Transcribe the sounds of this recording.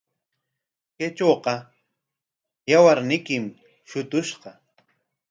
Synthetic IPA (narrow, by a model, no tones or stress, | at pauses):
ket͡ʃoːqɑ | jawaɾnɪkɪm | ʃʊt̪ʊʃɢɑ